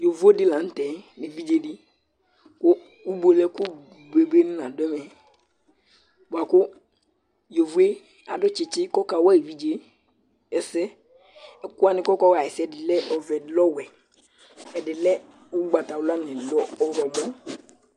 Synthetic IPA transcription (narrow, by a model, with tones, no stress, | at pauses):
jo˨vu˦e˦dɪ˦la˨n̩˦tɛ˨˦nɪ˨vi˦d͡ʒe˦dɪ˦ | kʊ˦ | u˦bo˨lɛ˦kʊ˦ | be˨be˦n˦nã˨dʊ˦ɛ˦mɛ˨ | ba˨kʊ˦ | jo˨vu˦e˦ | a̰˨dʊ˦t͡ʃɪ˨t͡ʃɪ˦kɔ˦ka˨˦wa˦i˨vi˦d͡ʒe˦ | ɛ˨sɛ˦ | ɛ˨kʊ˦a˦nɪ̃˨kɔ˦ka˦wa˨ɛ˨sɛ˨dɪ˨lɛ˦ʔɔ˨vɛ˨dɪ˨˦lɔ˦wɛ˨ | ɛ˨dɪ˨lɛ˦ | u˦ɡ͡ba˨ta˨wʊ˨˦la˦nɪ̃˨lɔ˦ɔ˦ɾɔ˨ɡ͡bɔ˦